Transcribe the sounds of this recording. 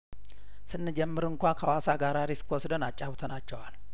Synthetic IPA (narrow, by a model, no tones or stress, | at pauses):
sɨnːɨd͡ʒɛmːɨɾɨŋkʷakʰawasaɡaɾaɾesɨ̥kʰːwɔsd̪onat͡ʃʼːawt̪ʰonat͡ʃːɛwal